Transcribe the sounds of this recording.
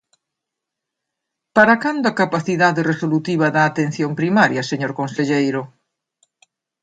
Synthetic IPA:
paɾakand̪ʊɐkapaθiðaðeresolut̪iβ̞ɐðɐːt̪en̟θjompɾimaɾjɐseɲoɾkonseʎejɾʊ

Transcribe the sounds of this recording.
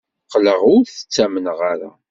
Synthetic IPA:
qːləʁʊɾθə̥t͡sːæmənʁaɾa̰

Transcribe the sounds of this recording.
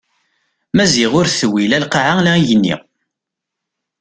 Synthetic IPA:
mæziʁʊɾθəwːilælqaʕalæijənːḭ

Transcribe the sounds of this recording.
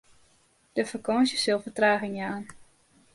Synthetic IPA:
d̥əfakɔsjəsɪlˠfətraːɣɪŋjaːn

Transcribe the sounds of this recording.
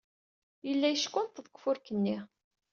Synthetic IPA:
jəlːæjəʃkʷːʊnt̪ðəkʷfʊɾkənːi

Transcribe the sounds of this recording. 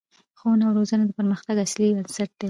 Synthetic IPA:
xonawɾozanad̪əpəɾməxt̪aɡaslibənsaʈ̚d̪̥e

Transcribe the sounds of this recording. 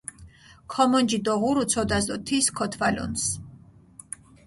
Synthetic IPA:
kʰɔmɔnd͡ʒid̪ɔʁuɾut̪sʰɔd̪azd̪ɔt̪ʰiskʰɔt̪ʰvalɔ̰ns

